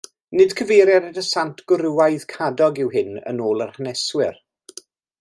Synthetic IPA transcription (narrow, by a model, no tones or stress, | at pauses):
nɪd̥kʰəvejɾjɛɾədəsantʰɡ̥ʊɾɪwajð̥kʰadɔɡɪwɦɪnə̰noːlˠərhənɛswɪr